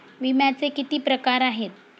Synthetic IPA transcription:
ʋimjat͡sekit̪iːpɾəkaɾaɦet̪̚

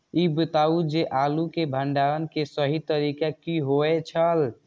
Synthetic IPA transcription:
ibət̪aud͡ʒeʔalukebʱəɳɖaɾənkesəɦit̪əɾikakiɦoɛt͡ʃʰəl

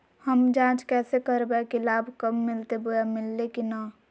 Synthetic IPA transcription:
həmd͡ʒãːt͡ʃkɛːsekəɾbekilaːbʱkəmːɪlt̪eboamɪlːekina

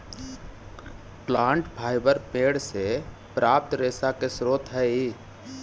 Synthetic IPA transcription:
plãːɳʈpʰaːɪbəɾpeːɽse | pɾʔaːp̚t̪ɾeːsakesɾoːt̪ɦɛi

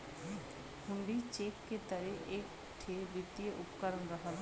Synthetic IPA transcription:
hʊɳɖit͡ʃeːkːet̪əɾeʔeːk | t̪ʰeːbɪt̪ieʔʊpkəɾənɾəɦəl

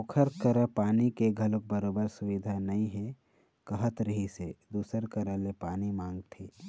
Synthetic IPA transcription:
ʊkʰəɾkəɾəpaːnikeɡʱɐlok̚bəɾoːbəɾsʊʋɪd̪ʱanɐĩɦɛ | kəɦət̪ɾəɦised̪uːsəɾkəɾəlepaːnimãːŋɡt̪ʰeː

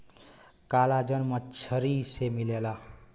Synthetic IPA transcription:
kalad͡ʒənmʌt͡ʃʰəɾisemilela

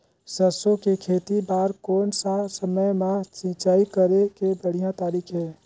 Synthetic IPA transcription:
səsõkekʰeːt̪ibaːɾkɔːnsasəməjmãt͡ʃɪ̃t͡ʃaːikəɾekebəɽ̤ijãt̪aːɾiːkʰɦɛː

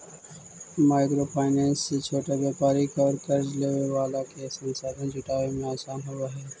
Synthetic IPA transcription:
maːɪkɾopʰaːɪnɛ̃ːnsːet͡ʃʰoːʈaʋjaːpaːɾikɔːɾkɐɾd͡ʒleːʋeʋaːlakesɐ̃nsaːd̪ẽd͡ʒʊʈaːʋemẽaːsaːnɦuaɦɛː

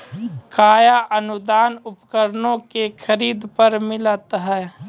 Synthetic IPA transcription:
kaːjaʔənʊd̪aːnʊpkəɾnõkekʰəɾiːd̪pəɾmɪlət̪ɦɛː

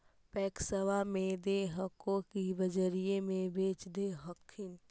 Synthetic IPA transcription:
pɛːksəʋamẽd̪eɦəkõkibəd͡ʒəɾijemẽbeːt͡ʃd̪eɦəkʰːɪn

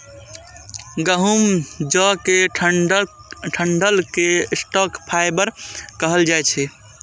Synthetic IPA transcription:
ɡəɦumd͡ʒɔke | ʈʰəɳɖəlkesʈɔkpʰaɪbəɾkəɦəld͡ʒajt͡ʃʰɛ

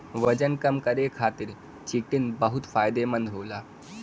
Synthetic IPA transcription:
ʋəd͡ʑənkəmkəɾekʰat̪iɾ | t͡ɕiʈinbəɦut̪faːjd̪emənd̪ʱɦoːla

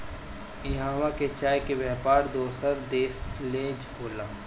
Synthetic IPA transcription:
ɪɦãːʋaket͡ʃaːjkebɛɦpaːɾd̪oːsəɾd̪eːslẽːd͡ʒɦoːlaː

